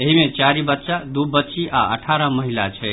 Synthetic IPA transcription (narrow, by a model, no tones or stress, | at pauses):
eɦimẽt͡ʃaɾibət̪ːʃad̪ubətːt͡ʃiʔa̰ə̰ʈʰaɾəməɦilat͡ʃʰɛ